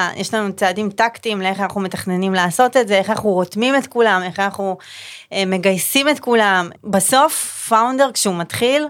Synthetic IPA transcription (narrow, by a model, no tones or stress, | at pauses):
jʔeʃlanut͡saːdimtaktimleeχanaχnume̞tḁχne̞nimlaːso̞te̞tzeeχanaχnuʁo̞tmimetkulame̞χanaχnu | eme̞ɡajsime̞tkulambaso̞fːawnde̞ʁkʃeumatχil